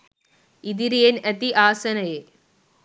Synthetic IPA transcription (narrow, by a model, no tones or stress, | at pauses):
id̪iɾijenɐt̪iʔaːsɐnɐje